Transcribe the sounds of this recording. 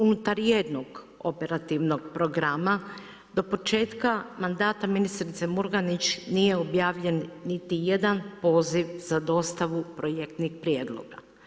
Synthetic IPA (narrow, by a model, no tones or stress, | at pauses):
unut̪aɾjed̪noɡ | o̞pe̞ɾat̪iʋnoɡpɾo̞ɡɾama | d̪o̞po̞t͡ʃe̞ːt̪kamand̪aːt̪aminist̪ɾit̪semuɾɡanit͡ɕnije̞objaːʋʎe̞nːit̪ije̞d̪anpo̞ːziʋzad̪o̞st̪aʋupɾo̞jekt̪nixpɾijeːd̪lˠo̰ɡa